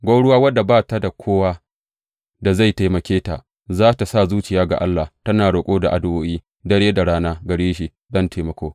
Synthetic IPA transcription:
ɡʷa˦ɽʊ˦waː˦wɐ˦dːa˨baː˦˨ta˦da˨kʷʰoː˦waː˦ | da˨za˦˨jta˨jmɐ˨kʲeː˦ta̰˨ʔ | zaː˦ta˨sa˦˨zuː˦t͡ʃɪ˨jaː˦ɡa̰˨ʔa˦lːa˨tɐ˦naː˨ɽo˨kʷʼoː˦da˨ʔa˨dʊ˦˨ʔoː˦ʔiː˦ | dɐ˦ɽeː˦da˨ɽaː˦naː˦ɡɐ˨ɽeː˦ʃi˨ | dɐ˦nteː˨mɐ˨kʷoː˦

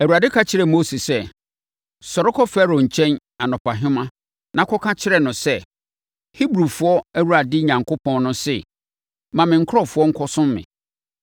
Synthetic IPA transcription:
æ˨wu˨ɾa˨dɪ˦kʰa˦t͡ɕʰɪ˦ɾɛ˨mo˦si˨sɛ˦ | sɔ˨ɾɪ˦kʰɔ˦fɛ˦ɾo˨ɲ̩˨t͡ɕʰɛ̃˦n | a˨nɔ̃˨pʰa˨ɦɪ̃˦mã˦ | nã˨˦kʰɔ˦kʰã˦t͡ɕʰɪ˦ɾɛ˨nʊ̃˨sɛ˦˨ | hi˦bɾu˨fʊ˦ɔ˦æ˦wu˦ɾa˨dɪ˦˨ɲã˨ŋkʰʊ˦pʰɔ̃˦n˦nʊ̃˦sɪ˨ | mã˨mɪ̃˨ŋ̩˦kʰʊ˦ɾɔ˦fʊ˦ɔ˦ŋ̩˦kʰɔ˦sʊ̃˦mːɪ̰̃˨

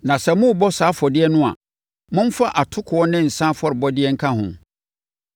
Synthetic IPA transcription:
nã˨sɛ˨mʊ̃˦˨bɔ˦saː˨˦fɔ˨dɪ˦ɛ˦nʊ̃˦a̰˨ | mʊ̃˦m̩˦fa˦ʔa˨tʰʊ˦kʰʊ˨wɔ˦nɪ̃˦n̩˨sã˦fɔ˦ɾɪ˨bɔ˦dɪ˦ɛ˦ŋ̩˦kʰã˦hʊ̰̃˨

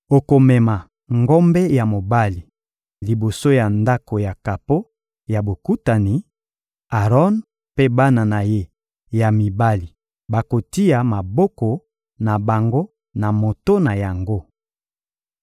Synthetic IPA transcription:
o˨ko˨mɛ˨ma˨ | ŋɡɔ˦mbɛ˦ja˨mo˨ba˦li˨ | li˨bo˨so˦ja˨nda˦ko˨ja˨ka˨po˦ | ja˨bo˨ku˦ta˨ni˨ | a˨ʁɔ˦n | pe˦ba˦na˨na˨je˦ | ja˨mi˨ba˦li˨ | ba˨ko˨ti˦ja˨ma˨bɔ˦kɔ˨ | na˨ba˨ŋɡo˦ | na˨mo˨to˦na˨ja˨ŋɡo˦

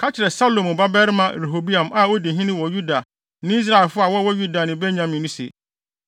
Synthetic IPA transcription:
kʰa˦t͡ɕʰɪ˨ɾɛ˨sa˦lõ˨mʊ˨ba˦bɛ˦ɾmã˨ɾe˨ɦo˨bi˦ã˨ma˨o˦di˨ɦĩ˦nɪ̃˦wɔ˨ju˦da˨ | nɪ̃˦i˦s̬ɾa˦ɛ˨lfʊ˦a˨wɔ˦wɔ˦ju˦da˨nɪ̃˨bɛ˦ɲã˨mĩ˨nʊ̃˦sḛ˨

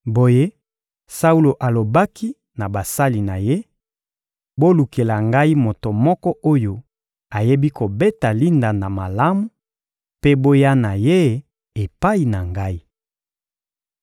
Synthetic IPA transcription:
bo˨je˦ | sa˦u˦lo˨ʔa˨lo˨ba˦ki˦ | na˨ba˨sa˦li˨na˨je˦ | bo˦lu˨ke˨la˨ŋɡa˦i˦mo˨to˨mɔ˦kɔ˦ʔo˦jo˨ | a˨je˦bi˦ko˨be˦ta˨li˦nda˨na˨ma˨la˦mu˨ | pe˦bo˦ja˦na˨je˦ | e˨pa˦i˨na˨ŋɡa˦i˦

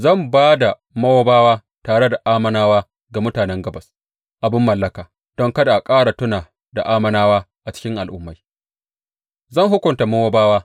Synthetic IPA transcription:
zɐ˦˨mbaː˦da˨ | mɐ˦wo˦baː˦waː˦ | taː˨ɽe˦da˨ʔaː˦mɐ˦naː˦waː˦ | ɡa˨mʊ˦taː˨nɛ˦ŋɡɐ˦bɐ˨s | ʔa˨bɪ˦mːɐ˨lːɐ˦kaː˨ | d̥ɔ˦ŋkɐ˦da˨ʔa˨kʼaː˦ɽa˨tʊ˦naː˨ | da˨ʔaː˦mɐ˦naː˦waː˦ | ʔa˨t͡ʃɪ̥˦kʲɪ˦ŋʔa˨lʔʊ˦mːa˦j | zɐ˦˨ŋɦʊ˦kʷʊ˨nta˨mɐ˦woː˦baː˦waː˦

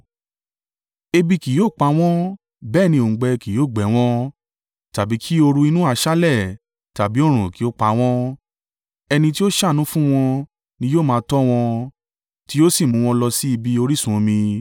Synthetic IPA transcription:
e˧bi˧ki˨joː˦˨k͡pa˨˧˦w̃ɔ̃˦ | bɛː˦˨nĩ˧õ˨ɡ͡bɛ˧ki˨jo˨˦˨ɡ͡bɛ˨˦w̃ɔ̃˦ | ta˨bi˨˦kʰi˦o˧ɾu˧i˧nũ˦a˧ʃa˦lɛ˦˨ | ta˨bi˨˦o˦˨ɾ̃ũ˨ki˨˦o˦k͡pa˨˦w̃ɔ̃˦ | ɛ˧nĩ˧t̬i˦o˦ʃa˦˨nũ˨˦fũ˦w̃ɔ̃˧ | nĩ˧joː˦˨mãː˧tɔ˦w̃ɔ̃˧ | ti˦o˦si˦˨mũ˧˦w̃ɔ̃˧lɔ˧si˦i˧bi˧o˧ɾi˦sũ˨˧mĩ˧

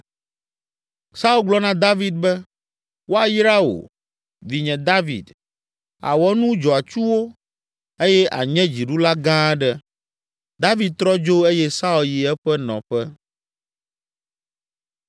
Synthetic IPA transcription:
sa˦u˦lɡ͡blɔ˦nã˦d̪a˦vi˦d̪̚bɛ˦ | wo˦a˨jɾa˦o̰˨ | vi˨ɲɛ̃˨d̪a˦vḭ˨d̪ | a̰˨wɔ˦nũ˦d͡ʒɔ˨a˨t͡ʃu˦wo˦ | e˦jɛ˦ʔa̰˨ɲɛ̃˦d͡ʑi˨ɖu˦la˦ɡã˦ɖɛ˦ | d̪a˦vi˨d̪̚t̪ɾɔ˦d͡ʒo˦e˦jɛ˦sa˦u˨lji˨ɛ˦ɸɛ˦nɔ̰̃˨ɸɛ˦

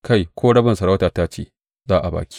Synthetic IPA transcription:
ka˦˨jkʷʰoː˦ɽɐ˦bɪ˨nsɐ˨ɽa˦wtaː˨taː˦t͡ʃḛː˨ | zaː˦ʔa˨ba̰ː˨kʲi̥˦

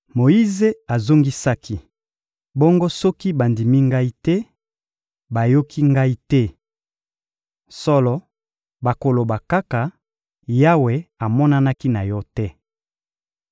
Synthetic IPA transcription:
mo˨i˦ze˦a˨zo˦ŋɡi˦sa˦ki˦ | bɔ˦ŋɡo˦sɔ˦ki˦ba˨ndi˨mi˦ŋɡa˦i˦tɛ˦ | ba˨jo˦kʰi˦ŋɡa˦i˦tɛ˦ | sɔ˦lɔ˦ | ba˨ko˨lo˨ba˨ka˦ka˨ | ja˦we˨a˨mɔ˦na˦na˦ki˦na˨jɔ˦tɛ˦

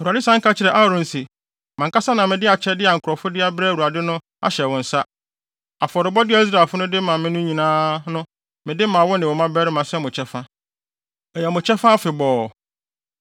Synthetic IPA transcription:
u˨a˨dɪ˦sã˦ŋ̩˦kʰa˦t͡ɕʰɪ˨ɾɛ˨ʔa˦ɾʊ̃˨n̩˨sɪ˨ | mã˨ŋka˦sa˦nã˨mɪ̃˨dɪ˦a˨t͡ɕʰɛ˦dɪ˦a˨ŋ̩˨kʰʊ˨ɾɔ˨fʊ˦dɪ˦a˦bɾɛ˦˨u˨a˨dɪ˦nʊ̃˦ | a̰˦ɕɛ˨wɔ̃˨n̩˨sa˦ | a˨fɔ˨ɾɪ˨bɔ˦dɪ˦ɛ˦i˦s̬ɾa˨lfʊ˦nʊ̃˦dɪ˦mã˨mɪ̃˦nʊ̃˦ɲĩ˨nãː˦nʊ̃˦ | mɪ̃˨dɪ˦mã˨wɔ˦nɪ̃˨wɔ˨mã˦bɛ˦ɾɪ˦mã˨sɛ˦˨mʊ̃˨t͡ɕʰɛ˦fã˦ | ɛ˨jɛ˨mʊ̃˨t͡ɕʰɛ˦fã˦fɪ˨bɔː˨

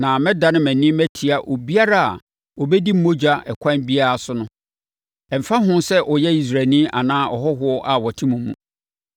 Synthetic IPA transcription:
nã˨mɪ̃˦da˨nɪ̃˦mæ̃˨nĩ˦mæ˦tʰi˨a˨ʔo˨bi˦a˦ɾa˦a̰˨ | o˨bɛ˦di˦m̩˦mo˦d͡ʑᶣa˦ʔɛ̰˨kʷʰã˦nbi˦a˦ɾa˨sʊ˦nʊ̃˦ | ɛ˨m̩˨fa˦ɦʊ̃˦nsɛ˦ʔɔ˨jɛ˦i˨s̬ɾa˨nĩ˦ʔa˨nãː˦ʔɔ̰˨ɦɔ˦ɦʊ˦ɔ˦ʔa˨wɔ˨tʰĩ˦mũ˨mṵ̃˨

